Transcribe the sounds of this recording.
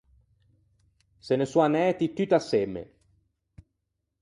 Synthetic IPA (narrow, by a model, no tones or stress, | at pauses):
senesuanɛːt̪it̪ːyt̪asːemḛ